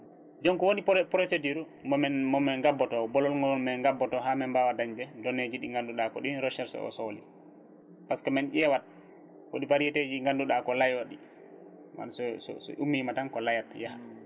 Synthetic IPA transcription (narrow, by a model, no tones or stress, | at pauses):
d͡ʒɔŋkɔwonipɾosediɾu | mɛmɔmɛŋɡabːɔtɔbɔlɔlŋɡɔlmɛŋɡabːɔtɔɦamɛmbawadaɲbɛdɔned͡ʒiɗiŋɡanduɗakɔ̰ɗinɾɔʃɛɾsɔ̰ɔ̰solḭ | paskɔmɛnʔɛwat̚ | ko̰ɗipaɾijɛteːd͡ʒiŋɡanduɗakɔlajaɗi | ma̰nsɔsɔ̰sɔ̰ʔumːimatankɔlajatjaha